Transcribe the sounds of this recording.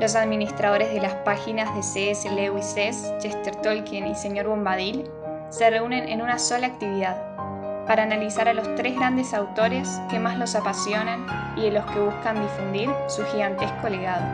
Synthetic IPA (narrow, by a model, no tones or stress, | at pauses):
lo̞s̬aðminist̪ɾað̞o̞ɾe̞zðelaspaxinazðe̞seselewisest͡ʃest̪eɾt̪olkinise̞ɲo̞ɾβombað̞il | se̞re̞une̞nʔḛnunaso̞laːk̚t̪iβiðað | paɾaːnalisaɾalo̞st̪ɾezɣɾand̪esawt̪o̞ɾeske̞mazlo̞sapasjo̞nan | iðelo̞ske̞β̞uskand̪ifund̪iɾsuxiɣant̪ehkoleɣaðo̰